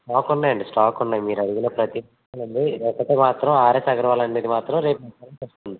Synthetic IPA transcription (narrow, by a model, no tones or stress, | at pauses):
ʈaːkunːaːjɐɳɖisʈaːkunːaːjmiːɾɐɽuɡiloːpɾɐt̪iɐɐlɐɳɖ̪iɾɛːkːɐʈ̪eːmaːt̪ɾɐmaːɾesɐɡɐɾɐʋaːlɐnːeːd̪imaːt̪ɾɐmɾe̞ːpɐkɐɾɐmt͡ʃeːst̪oːnd̪i